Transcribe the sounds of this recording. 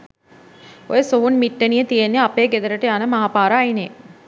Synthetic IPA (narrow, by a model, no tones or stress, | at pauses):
o̰jəsoɦunmiʈːənijət̪ijenːeapeːɡed̪əɾəʈəjanəmaɦapaːɾəːine